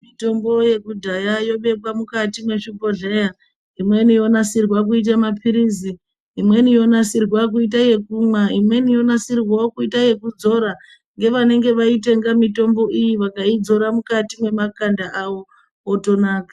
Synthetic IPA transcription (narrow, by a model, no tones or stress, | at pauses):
mito̞mbo̞je̞kudʱajajo̞ɓe̞kwamukatimwe̞ʂipo̞ʐe̞ja | imwe̞nijo̞nasirwak̬uit̬amapʰiɾiziː | mwe̞nijo̞nasirwak̬uitaje̞kumaimwe̞nijo̞nasirwaokuitaje̞kud͡zo̞ɾa | ŋɡe̞ʋane̞ŋɡe̞ʋaite̞ŋɡamito̞mbo̞ʔijiʋakaid͡zo̞ɾamukatimwe̞makandaʔawo̞ː | to̞naːkḁ